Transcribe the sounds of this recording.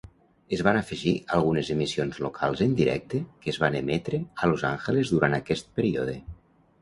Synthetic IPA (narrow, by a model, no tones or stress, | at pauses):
ezβanafəʒialˠɣ̞unezemisionzlokʰa̰lˠzənd̪iɾɛ̰k̚t̪ekeːzβanemɛt̪ɾealoza̰ŋxəlezðuɾant̪akɛst̪̚pəɾio̰ðe